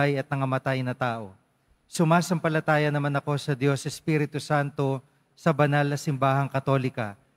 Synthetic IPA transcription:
ajɐt̪̚nɐŋɐmɐt̪ajnɐt̪aːʔo̞ | sʊmaːsɐmpɐlɐt̪aːjɐnɐmanɐko̞sɐd̪jo̞sɛspiɾɪt̪ʊsant̪o̞ | sɐbɐnalnɐsɪmbaːɦɐŋkɐt̪o̞ːlɪkɐ̰

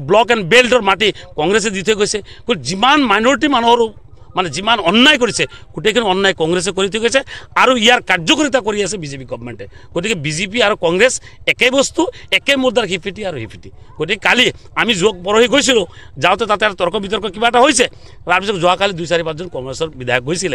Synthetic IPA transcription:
blɔkɛnbelɖɔɾmaʈikɔŋɡɾes̬ed̪it̪ʰejɡɔjsekoid͡ʒimanmajnɔɾiʈ̬imanɔɦɔɾu | maned͡ʒimanɔnːajk̬ɔɾit͡ʃʰeɡ̥oʈejkʰiniɔnːajkɔŋɡɾes̬ekɔɾit̪ʰɔjɡɔjseaɾuiaɾkaɾd͡ʒɔkɔɾit̪̬akɔɾiasebid͡ʒepiɡɔbɔmḛɳʈeɡ̥ot̪ikibid͡ʒep̬iaɾukɔŋɡɾes | ekebɔst̪uekemuɾd̪aɾɦipʰiʈiaɾuɦipʰiʈiɡ̥oʈikikali | amid͡ʒɔk̚pɔɾɔɦiɡojs̬ilo | d͡ʒawt̪et̪at̪eaɾt̪ɔɾkɔbit̪̬ɔɾkɔkibaʈaɦojse | ɾaɾpis̬ɔkud͡ʒɔɦakalid̪ujsaɾipat͡ʃd͡ʒɔnkɔŋɡɾesɔɾbid̪ʱajɔk̚ɡojsile

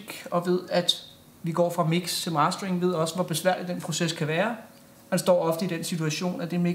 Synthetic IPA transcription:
ɡ̥ɒ̽ʋe̝ð̰ˠæd̥ | ʋiɡ̥ɒ̰ːfʁɑ̈miɡ̥st͡sʰe̝mɑ̈sd̥ʁeŋʋe̝ð̞̰ˠɒ̽səʋɒ̽b̥e̝sʋæɐ̰lid̥en̰pʰʁo̝seskʰæʋæːɐ | hænsd̥ɒ̰ːɒ̽fd̥əid̥en̰sit͡sʰuæɕo̝̰ːnæd̥e̝me

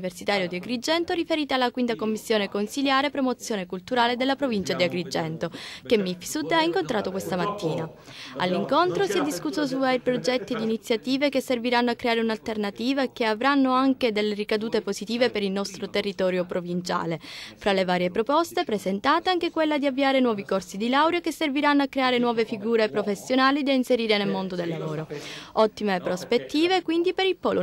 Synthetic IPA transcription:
iversit̪aːɾjod̪iaɡɾid͡ʒɛnt̪oɾifeɾiːt̪ealːakwint̪akomːisːjoːnekonsiljaːɾepɾomot̪sjoːnekult̪uɾaːled̪elːapɾovint͡ʃad̪iaɡɾid͡ʒɛnt̪okemːifsud̪aiŋkont̪ɾaːt̪okwest̪amat̪ːiːna | a̰lːiŋkont̪ɾosiɛd̪ːiskusːos̬uvaɾipɾod͡ʒɛt̪ːid̪iːnit̪sjat̪iːvekesːerviɾanːoakːɾeaːɾeunalt̪ernat̪iːvakeavɾanːoaŋked̪elːerikad̪uːt̪epozit̪iːvepeɾilnɔst̪ɾot̪erːit̪ɔːɾjopɾovint͡ʃa̰ːlefɾalevaːɾjepɾopɔst̪epɾezent̪aːt̪eaŋkekwelːad̪iavːiaːɾenwɔːvikorsid̪ilawɾjokesːerviɾanːoakːɾeaːɾenwɔːvefiɡuːɾepɾofesːjonaːlid̪ainseɾiːɾenelmond̪od̪elːavoːɾoɔt̪ːimepɾospet̪ːiːvekwind̪ipeɾipoːlu

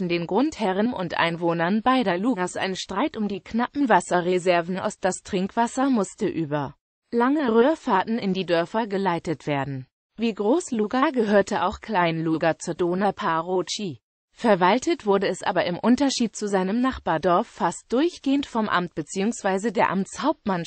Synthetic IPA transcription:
ndeːnɡʁʊnthɛʁ̞ənʊ̰ntʔa̰ɪnvoːnɐnbaɪɾɐluːɡasʔa̰ɪnənʃtʁ̥aɪtʊmdiːkʰnapm̩vasɐʁezɛɐvn̩ʔa̰ʊsd̥astʁ̥ɪŋkv̥asɐmʊstəʔyːbɐ | laŋəʁøːɐfaːtn̩ɪndiːdœɐfɐɡəlaɪtətv̥eːɐdn̩ | viːɡʁoːsluːɡaɡəɦøːɐtəʔaʊxkl̥aɪnluɡat͡suːɐdoːnɐpʰaʁot͡ʃi | fɛɐvaltətv̥ʊɐdəɛsʔa̰ːbɐɪmʔʊntɐʃiːt̚t͡suzaɪnəmnaχb̥aːɐdɔɐfːast̚d̥ʊɐçɡ̥eːəntfɔmʔa̰mt̚b̥ət͡siːʊŋsv̥aɪzədeːɐʔamt͡shaʊp̚tman

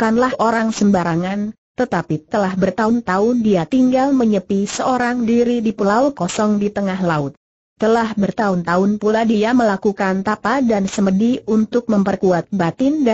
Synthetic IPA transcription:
kanlahʔoɾaŋsəmbaɾaŋan | t̪ət̪apit̪əlahbərt̪aʊnt̪aʊndiat̪iŋɡalməɲəpisəoɾaŋdiɾidipəlaukɔsɔŋdit̪əŋaɦlaʊt̪̚ː | əlahbərt̪aʊnt̪aʊnpuladiaməlakukant̪apadansəmədiunt̪ʊk̚məmpərkuat̪̚bat̪ɪnd

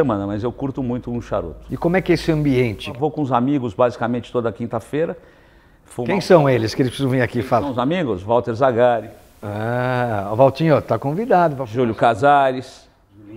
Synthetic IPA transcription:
emɐ̃nɐmɐzewkuɾt̪ʊmũj̃t̪ʊũʃa̰ɾo̰t̪ʊ̥ɪkõmʊɛkɪɛesɪɐ̃mbiẽnt͡ʃɪvowkõʊzamiɡʊzbazikamẽnt͡ʃɪ̥t̪od̪ɐkĩnt̪ɐfejɾɐ | fõkẽj̃sɐ̃w̃elɪskɪelɪspɾsizɐ̃w̃vĩɾakifalɐ̃ʊzamiɡʊsvawt̪eɾzaɡaɾɪ | a | vawt͡ʃ̪ĩɲot̪akõvid̪ad̪ʊvaʒuljʊkazaɾɪs

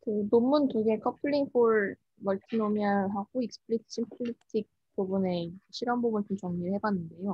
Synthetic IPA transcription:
kɯnomːunkuɡe̞kʰʌpʰɯʎːiŋpʰoɭ | mʌɭtʰinomiaɦaɡoik̚sɯ̥pʰɯɭit͡ɕʰimpʰɯɭitʰik̚ | p͈ubune̞ɕʰiɾʌnbubuntunt͡ɕʌŋɲihe̞ɡwanːɯnde̞jo

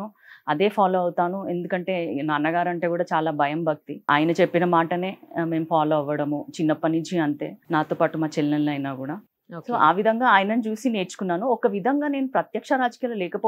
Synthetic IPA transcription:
u | ɐd̪e̞ːpʰaːloːɐwut̪aːnue̞̰nd̪ukɐɳʈe̞ːnaːnːɐɡaːɾɐɳʈe̞ːkuːɽaːt͡ʃaːlaːbʱɐjɐmbʱɐk̚t̪ia̰ːjɐnɐt͡ʃe̞pːinɐmaːʈɐne̞ːme̞ːmupʰaːloːɐʋɐɽɐmut͡ʃinːɐpɐnid͡ʒiɐɳʈ̪e̞̰ːnaːt̪oːpaːʈumaːt͡ʃelnɐlɐjnaːkuːɽaː | soːʔa̰ːʋid̪ʱɐŋɡaːaːjɐnɐnt͡ʃuːsine̞ːɾt͡ʃu̥kunːaːnuɔkɐʋid̪ʱɐŋɡaːne̞ːnupɾɐt̪jɐkʂɐɾaːd͡ʒɐkijaːlɐlɛːkɐpoː

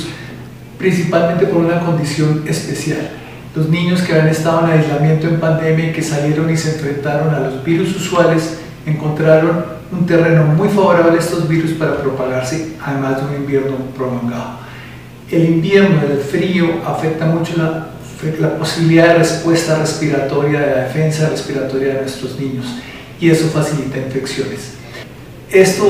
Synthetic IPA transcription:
pɾinsipalment̪e̞po̞ɾunako̞nd̪isjo̞ne̞spe̞sjalː | o̞znĩɲo̞skeaane̞st̪að̞oenajzlamjẽ̞nt̪o̞e̞mpand̪e̞mjaike̞salje̞ɾo̞nise̞ːɱfɾe̞nt̪aɾo̞nalo̞zbiɾususwale̞s | e̞ŋko̞nt̪ɾaɾo̞n | unt̪e̞re̞no̞mujfaβo̞ɾaβ̞leest̪o̞zbiɾuspaɾapɾo̞paɣaɾseaðe̞mazd̪e̞unimbje̞ɾno̞pɾo̞lo̞ŋɡaðo | e̞limbje̞ɾno̞ðelfɾio̞ʔafe̞k̚t̪amut͡ʃo̞la | laposiβiliðaðerespwe̞st̪are̞spiɾat̪o̞ɾjaðe̞laðefe̞nsairespiɾat̪o̞ɾjaðenwe̞st̪ɾoznĩɲo̞s | ie̞so̞fasilit̪aiɱfe̞ksjone̞s | e̞st̪o

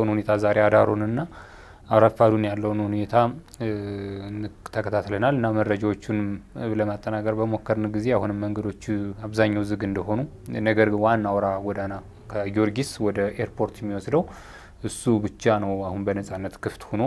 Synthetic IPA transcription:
wnhune̞t̪ʰazaɾead̪aɾonɨnːa | aɾafad̪unjalːəwnhune̞t̪ʰa | nɨt̪ʰːəkʰət̪ʰat̪lənalɨnːaməɾːəd͡ʒawot͡ʃːunləmat̪ʼːənakʼəɾbəmo̞kːəɾnɨɡize̞ahunɨmːəŋɡəd̪o̞t͡ʃːaβzaɲːawzɨɡɨnd̪əɦo̞nu | nəɡəɾɡɨnwanːawɾaɡɔd̪ana | kʰəjoɾɡiswɔd̪əʔeɾpʰo̞ɾt̪jɛmːiwɔsd̪əw | ʔɨsːubɨt͡ʃːanəwahunbənəsʼanːət̪kʰɨft̪huno

